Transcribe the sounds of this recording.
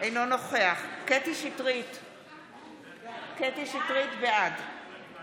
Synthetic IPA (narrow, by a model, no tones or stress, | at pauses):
ʔejno̞no̞χe̞aχket̪iʃitʁit̪ | ket̪iʃit̪ʁit̪bead